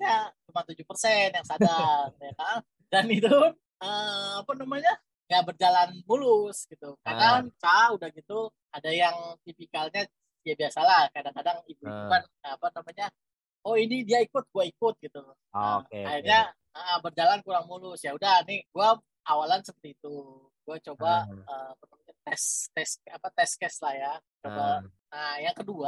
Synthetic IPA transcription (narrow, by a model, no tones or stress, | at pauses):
jat͡ʃumat̪ud͡ʒʊpərsɛnjaŋsadaŋjakaʔə | danit̪u | əapanamaɲa | ŋabərd͡ʒalanmulʊsɡ̥it̪ukadaŋt͡ʃaudahɡit̪u | adajaŋt̪ipikalɲa | diabiasalahkadaŋkadaŋibuibukan | apanamaɲa | oinidiaikʊt̪̚ɡ̥uaikʊt̪̚ɡit̪u | eairɲa | əʔəbərd͡ʒalankuɾaŋmulʊsjaudahniɡua | awalansəpərt̪iːt̪u | ɡuat͡ʃobaəmpət̪əmat̪ɛst̪ɛskapat̪ɛskɛslahjat͡ʃoba | najaŋkədua